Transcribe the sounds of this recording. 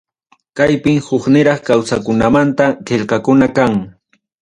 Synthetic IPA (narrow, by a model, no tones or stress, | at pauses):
kajpɪmhʊχnɪɾɑχkawsakʊnamant̪aqeʎqɑkʊnakaŋ